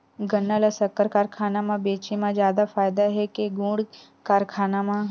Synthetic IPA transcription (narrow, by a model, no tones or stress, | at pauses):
ɡənːalasəkːəɾkaːɾkʰaːnamãbeːt͡ʃimãd͡ʒjaːd̪afaːɪd̪aɦɛkeɡũːɽ | kaːɾkʰaːnamã